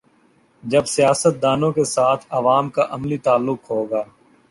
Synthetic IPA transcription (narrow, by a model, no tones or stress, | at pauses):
d͡ʒɐbsɪjaːsət̪̚d̪aːnõkesaːt̪ʰɐʋaːmkaʔɐmlit̪aːlːʊkɦoːɡaː